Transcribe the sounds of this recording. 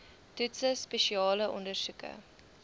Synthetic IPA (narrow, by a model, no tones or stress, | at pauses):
tʉtsəspeʃiɑːləʔɔndərsukə̰